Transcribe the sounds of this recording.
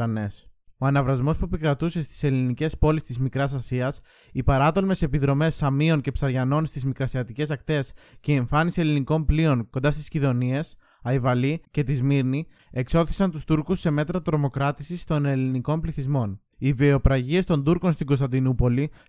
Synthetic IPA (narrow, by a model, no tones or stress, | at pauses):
ɐne̞so̞ɐnɐvɾɐzmo̞spuepikɾɐt̪use̞st̪i̥se̞linice̞spo̞list̪izmikɾɐsɐsiɐs | ipɐɾɐt̪o̞lme̞se̞piðɾo̞me̞sɐmio̞ŋce̞psɐɾʝɐno̞nst̪izmikɾɐsiɐt̪ice̞sɐkt̪e̞sceie̞ɱfɐnisieliniko̞mplio̞ŋko̞nd̪ɐst̪i̥sciðo̞nie̞s | ɐivɐlice̞t̪izmiɾni | e̞kso̞θi̥sɐnt̪ust̪uɾkusːe̞me̞t̪ɾɐt̪ɾo̞mo̞kɾɐt̪isist̪o̞ne̞liniko̞mpliθizmo̞n | iviopɾɐʝie̞st̪o̞nd̪uɾko̞nst̪iŋɡo̞st̪ɐnd̪inupo̞li